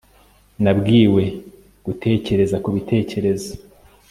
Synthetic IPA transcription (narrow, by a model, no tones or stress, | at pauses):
nabɡiːwe̞ | ɡ̥utʰe̞ːce̞ɾe̞zakuβitʰe̞ːce̞ɾe̞zo